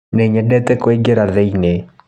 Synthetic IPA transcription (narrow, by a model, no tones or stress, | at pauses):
neɲɛdɛtɛkoeɡeɾaðɛine